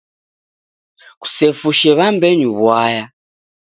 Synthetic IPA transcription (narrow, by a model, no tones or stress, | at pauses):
ku̥sɛfuʃɛβambɛɲuβwaja